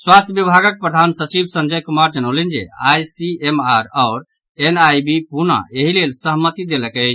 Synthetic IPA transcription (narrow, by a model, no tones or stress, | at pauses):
swast̪ʰjəbjəbʱaɡək̚pɾəd̪ʱansət͡ʃibʱsə̃nd͡ʒəjkumaɾd͡ʒəñəʊlənd͡ʒḛajsiemaɾɔʊɾ | enajbipuna̰eɦilelsəɦmːət̪id̪eləkɛt͡ʃʰ